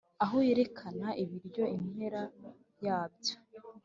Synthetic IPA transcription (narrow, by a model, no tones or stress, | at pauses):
aɦoje̞ɾe̞kʰanaʔiβiɾɟo̞inhe̞ɾa | jaːbjo